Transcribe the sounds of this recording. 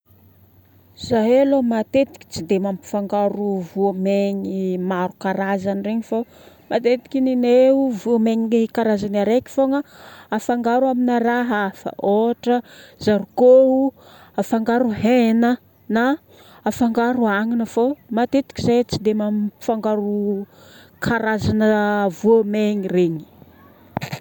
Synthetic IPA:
z̥aɦlomat̪et̪i̥kʲi̥t͡sid̪emampi̥faŋɡaɾuvuameɲimaɾukaɾazanireɲifo | mat̪et̪i̥kʲinineuvumeɲikaɾazanaɾekʲi̥foŋəafaŋɡaɾuaminaɾaɦafa̰ʔoʈ͡ʂəzaɾukou | afaŋɡaɾuhenə | naː | faŋɡaɾuaŋinəfomat̪et̪i̥kizet͡sid̪emamfaŋɡaɾu | kʰaɾazanəvuameɲireɲi̥

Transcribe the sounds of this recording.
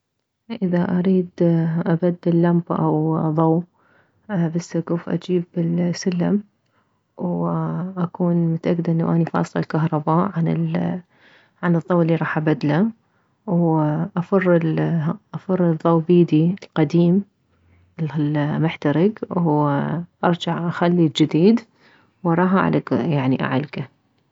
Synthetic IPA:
ʔɪðaʔaɾiːd̪ʔabad̪ːɪlːambʔa̰wðˤɑw | basːaɡuːfʔa̰d͡ʒiːbɪlsʊlːam | wʔakuːnmʊt̪ʔaɡd̪ʔɪnːawʔanifɑ̰ːsˤlɑlkaɦɾˤɑbaːʔʕanɪ̰l | ʕanɨðˤːɑwlːiɾˤɑːħʔabad̪la | wʔafɑrˤːɪlʔafɑrˤːɨðˤːɑwbiːd̪ilqɑd̪iːm | ɪlmʊħt̪aɾɪɡw | ʔɑɾˤd͡ʒaʕʔaxalːid͡ʒɪd̪iːd̪ | wɑɾˤɑːħʔa̰ʕlʔekjaʕniʔa̰ʕa̰lka

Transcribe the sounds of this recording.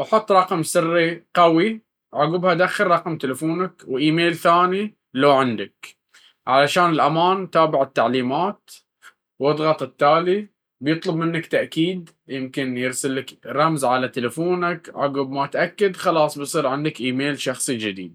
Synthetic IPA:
ʔɑħʊt̪ˤːɾˤɑqmsɪrːiqawi | ʕaɡʊbhad̪axːɪɾˤɾˤɑqmt̪ɪlafuːnakwʔiːmeːlθaːni | lawʕɪnd̪ak | ʕalaʃaːnɪlʔamaːnt̪aːbɪʕɪt̪ːaʕliːmaːt̪ | wɨd̪ˤɣɑt̪ˤɪt̪ːaːli | bjɨt̪ˤlʊbmɪnːakt̪aʔkiːd̪ | jɪmkɪnjɪɾsɪlːakɾˤɑmzʕalat̪ɪlafuːnakʕa̰ɡʊbmat̪ʔakːad̪xɑlɑːsˤbɪjsˤiːɾʕɪnd̪akʔiːmeːlʃɑxsˤid͡ʒɪd̪ḭːd̪̚

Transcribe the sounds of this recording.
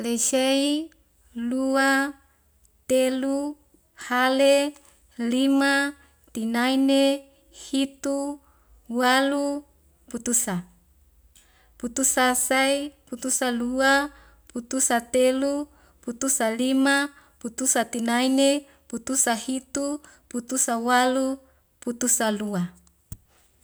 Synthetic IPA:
lesei | lua | t̪elu | hale | lima | t̪inaine | hit̪u | walu | put̪usa | put̪usasaiput̪usalua | put̪usat̪elu | put̪usalima | put̪usat̪inaine | put̪usahit̪u | put̪usawalu | put̪usalua

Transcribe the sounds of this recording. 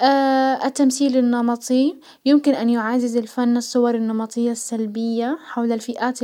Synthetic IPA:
ʔaʔɪt̪ːamθiːlɪnːɑmɑt̪ˤi | jɪmkɪnʔanjʊʕaːzɪzɪlfanːɪsˤːʊwɑɾˤɪnːɑmɑt̪ˤɨjːasːalbɪjːaħawlalfɪʔaːt̪

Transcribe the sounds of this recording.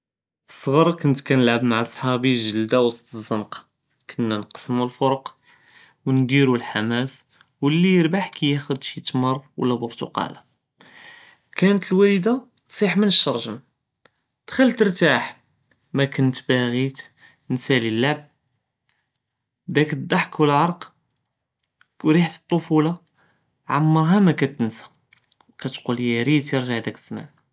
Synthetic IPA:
əsˤːɣɑɾˤɑkʊnt̪kænəlʕəbmaʕʔɑsˤħɑbiʒəld̪awɑst̪zˤənq | kʰənːænqsmulfoɾəq | wnd̪iɾulħamæs | wəlːijəɾbaħkæjæxʊd̪ʃit̪mɑrˤwə̰lːæbʊɾt̪ṵqɑ̰la | kænət̪əlwæləd̪a | t̪sˤiħmənəʃːɑɾˤʒəm | d̪̥xælːt̪əɾt̪aħ | mækʊnt̪bæɣit̪ | nsælilːaʕb̚ | d̪ækəd̪ˤːɑħkwəlʕɑɾˤq | wɾiħt̪ə̥t̪ˤːofulɑ | ʕamːəɾˤɦamækæt̪ənsḁ | wkæt̪quljæɾit̪jəɾʒəʕd̪ækə̥sːmæ̰

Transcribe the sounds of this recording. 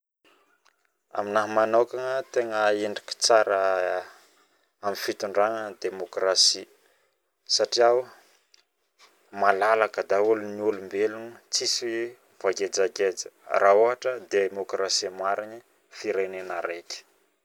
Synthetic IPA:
a̰minaɦmanokaŋət̪eŋəeɳɖ͡ʐiki̥t͡saɾə | amifit̪uɳɖ͡ʐaŋəd̪emokrasi | saʈ͡ʂiaw | malalakəd̪auluniulumbelunət͡sis | v̥aɡed͡zaɡed͡zə̥rʔaoɦaʈ͡ʂəd̪emokrasimaɾini | fiɾenenaɾekʲi̥

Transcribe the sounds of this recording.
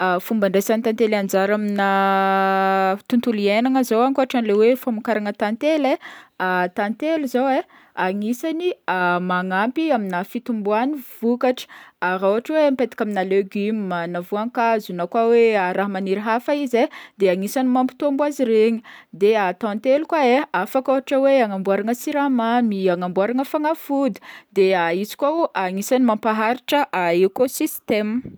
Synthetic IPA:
fumbaɳɖ͡ʐesanit̪ant̪eland͡ʒaɾamina | t̪unt̪ulienaŋəzowaŋkuaaʈ͡ʂanlewefamukaɾaŋət̪ant̪eleat̪ant̪eluzowe | aŋisaniamaŋampiaminafit̪umbuaniv̥ukaʈ͡ʂə̥aɾauaʈ͡ʂwempet̪ḁkʲaminaleɡymːanavuaŋkazunakwaweaɾaɦmaniɾɦafaized̪eaŋisanimampi̥t̪ombwaziɾeɲi̥d̪eat̪ãnt̪elukwaeafakoɦaʈ͡ʂəweaŋambuaɾaŋəsiɾamamiaŋambuaɾaŋəfaŋafud̪i̥d̪eaizi̥kaaŋisanimampaɦaɾiʈ͡ʂəʔaekosist̪em

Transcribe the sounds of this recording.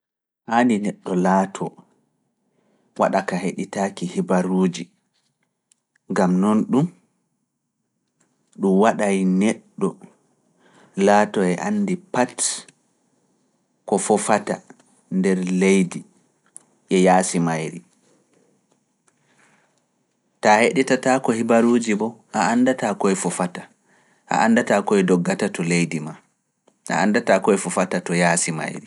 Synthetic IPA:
ʔaːninɛɗːɔlaːtʰɔ | waɗakaheɗitaːkihibaɾuːd͡ʒi | ŋɡamnɔnɗum | ɗumwaɗajnɛɗːɔ | laːtɔɛʔanːdipat | kɔfɔfata̰ | ndɛɾlejdi | ʔɛjaːsimajɾi | taheɗɛtatakɔhibaɾuːd͡ʒibɔʔaandatakɔɛfɔfata | ʔa̰ʔandatakɔɛdɔɡːatatɔlejdima | ʔa̰andatakɔɛfɔfatatɔjaːsima̰jɾi

